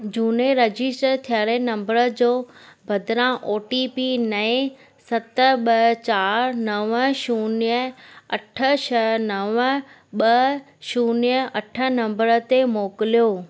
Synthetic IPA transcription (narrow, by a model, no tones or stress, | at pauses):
d͡ʑuːneɾɐd͡ʑɪsʈəɾt̪ʰijaːɾenɐ̃mbəɾəd͡ʑoːbʱɐd̪ɾãʔoːʈipinɐẽ | sɐt̪ə̆ɓɐt͡ɕaːɾnɐʋəʃuːniəɐʈʰə̆ʃʰɐnɐʋə | ɓɐ | ʃuːniəɐʈʰə̆nɐ̃mbəɾət̪emoːkɪlijoː